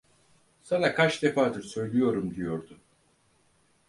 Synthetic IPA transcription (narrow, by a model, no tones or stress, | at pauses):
sanakʰat͡ʃd̪e̞faːd̪ɯɾsø̞jlʲijo̞ɾumd̪ijo̞ɾd̪ʊ